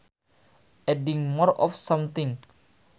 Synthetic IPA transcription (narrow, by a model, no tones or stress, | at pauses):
ʔɛdɪŋmɔrɔ̰fsɔmt̪ɪŋ